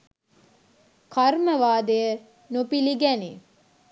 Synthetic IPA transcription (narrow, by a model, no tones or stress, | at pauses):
kɐɾməʋaːd̪ejə | nupiliɡæni